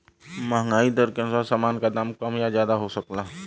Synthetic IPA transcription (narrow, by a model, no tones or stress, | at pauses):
mɐɦŋɡaːid̪əɾkə̃nsasaːmaːnkad̪aːmkɐmjazjaːd̪aɦosəklaː